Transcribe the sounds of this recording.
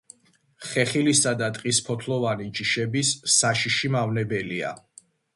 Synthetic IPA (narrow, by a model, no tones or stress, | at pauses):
χɛχilisad̪at̪ʼqʼispʰɔt̪ʰlˠɔvanid͡ʒiʃɛbisːaʃiʃimavnɛbɛlia̰